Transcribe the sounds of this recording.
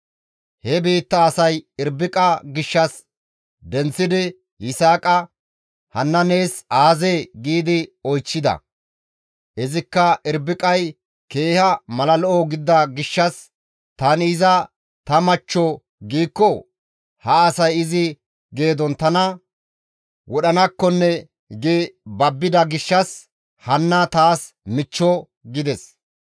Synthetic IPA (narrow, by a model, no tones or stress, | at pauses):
hɛbiːt̪ːɐːsɐjɪɾbɪkʼɐɡɪʃːɐs | d̪ɛnt͡sːɪd̪ɪ | jɪsaːkʼɐ | hɐnːɐneːsaːzeːɡiːd̪ɪɔjt͡ʃːɪd̪ɐ̰ | ʔɪzɪkːɐɪɾbɪkʼɐj | ke̞ːhɐmɐlɐlɔʔɔɡɪd̪ːɐɡɪʃːɐs | t̪ɐnɪːzɐ | t̪ɐmɐt͡ʃːɔ | ɡiːkːɔ | hɐːsɐjɪzɪ | ɡe̞ːd̪ɔnt̪ɐnɐ | wʔɔɗɐnɐkːɔnːɛ | ɡebɐbːɪd̪ɐɡɪʃːɐs | hɐnːɐt̪aːs | mɪt͡ʃːɔ | ɡɪd̪ɛs